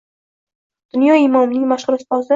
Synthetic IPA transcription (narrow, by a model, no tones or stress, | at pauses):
d̪̥ʊnjɒɪmɒmnɪŋmaʃhʊɾʊst̪ɒzɪ